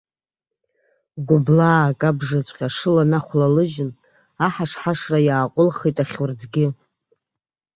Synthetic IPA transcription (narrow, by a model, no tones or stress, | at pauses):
ɡʷʊblaːkʼabʐɨt͡ɕʷʼqʲaʂɨlanaχʷlalɨʒɪn | aħaʂħaʂrajaːqʷʼʊlχetʼaχʲʊrd͡zɡʲɪ